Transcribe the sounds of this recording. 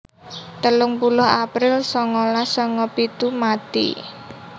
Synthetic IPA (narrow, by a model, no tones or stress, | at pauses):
t̪əlʊŋpulʊɦapɾɪlsɔŋɔlasɔŋɔpit̪umat̪ḭ